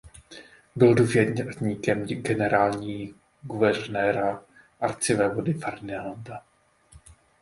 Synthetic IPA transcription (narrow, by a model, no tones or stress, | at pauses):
bɪlduːvjɛɾɲɲiːkɛmɡɛnɛɾaːlɲiː | ɡuvɛrnɛːɾa | ʔaɾt͡sɪvɛːvodɪfaɾnɛland̪a